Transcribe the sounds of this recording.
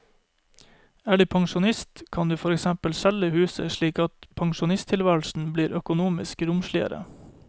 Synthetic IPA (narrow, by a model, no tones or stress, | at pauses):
æːɖʉːpʰɑŋʃʊnɪst̪kʰɑnd̪ʉːfɔɾɛksæmpəlsæləhʉːsə̰ʃɭiːkɑt̪pʰɑŋʃʊnɪst̪ʰɪlʋæːl̩sn̩bliːɾʔœkʊnuːmɪskɾʊmʃɭɪə̰ɾə̰